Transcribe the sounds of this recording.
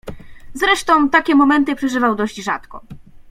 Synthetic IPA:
zɾɛʂt̪ɔ̃w̃t̪akʲɛmɔmɛnt̪ɘpʂɛʐɘvawd̪ɔʑd͡ʑʐa̰t̪kɔ̰̃

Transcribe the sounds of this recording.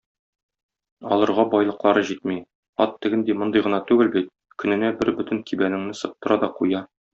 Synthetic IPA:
ɒ̰lˠɤ̆ɾʁɑbɒjlˠɤ̆qlˠɑɾɤʑit̪̚mi | ɒt̪ːɘ̆ɡɘnd̪imŏnd̪ɤjʁɤ̆nɑt̪ʉɡɘlbit̪̚ | kɵ̆nɘ̆næbɘɾbɵt̪ɘŋkʰibænɘ̆ŋnɘsɤ̆p̚t̪ɤ̆ɾɑd̪ɒqujɑ

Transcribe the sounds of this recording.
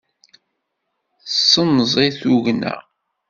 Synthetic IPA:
sːənzˤiθuʝnæ̰

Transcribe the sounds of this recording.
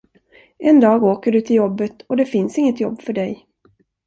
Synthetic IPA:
ʔɛnd̪ɑːɡoːkəɖɵt̪ʰɪljɔbːət̪ɔd̪ɛfɪnsɪŋːət̪jɔ̰bːfœɖɛj

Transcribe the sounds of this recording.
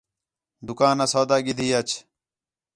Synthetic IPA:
d̪ukaːnɐsoːd̪aːɡid̪ʱiːɐt͡ɕʰ

